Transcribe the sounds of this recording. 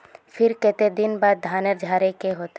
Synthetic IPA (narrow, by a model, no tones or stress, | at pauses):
fʰɪɾkɛt̪ed̪ɪnbaːd̪̚ːʱaːnəɾd͡ʒʱaːɾekeɦoːt̪e